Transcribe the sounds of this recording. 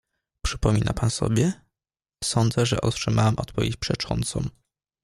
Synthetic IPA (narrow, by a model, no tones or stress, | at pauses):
pʂɘpɔmʲinʔapansɔ̰bʲjɛ | sɔnd̪zɛʐɛ̰ʔɔt̪ʂɘmawamʔɔt̪pɔvʲjet͡ɕpʂɛt͡ʂɔnt̪sɔm